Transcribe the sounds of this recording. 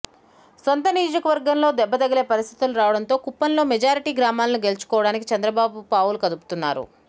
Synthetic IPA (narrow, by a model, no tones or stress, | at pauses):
sont̪ɐnijoːd͡ʒɐkɐʋɐɾɡɐmlo̞ːd̪ɛbːɐt̪ɐɡɐle̞ːpɐɾist̪ʰit̪uluɾaːʋɐɽɐnt̪o̞ːkupːɐnlo̞ːmɛd͡ʒaːɾiʈiːɡɾaːmaːlɐnuɡe̞lut͡ʃu̥kɔːʋɐɽaːnikit͡ʃɐnd̪ɾɐbaːbupaːʋulukɐd̪upu̥t̪unːa̰ːɾṵ